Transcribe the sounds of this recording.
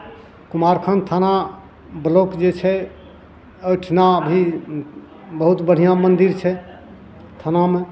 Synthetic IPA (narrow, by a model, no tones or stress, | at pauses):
kumaɾkʰənt̪ʰana | blokd͡ʒet͡ʃʰɛ | əjʈʰnaəbʱi | bəɦut̪bəɽ̤ijãmənd̪iɾt͡ʃʰɛ | t̪ʰaname